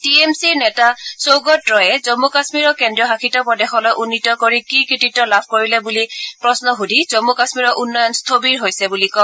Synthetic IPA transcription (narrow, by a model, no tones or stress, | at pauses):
tiemsiɹnɛtasowɡɔtɹɔjɛzɔmukasmiɹɔkendɹiɔɦaxʰitɔpɔdɛxɔlɔjʔunːitɔkoɹikikɹititɔlabʱkoɹilɛbulipɹɔsnɔxudʱizɔmukasmiɹɔʔunːɔjɔnst̪ʰobiɹɦojsɛbulikɔm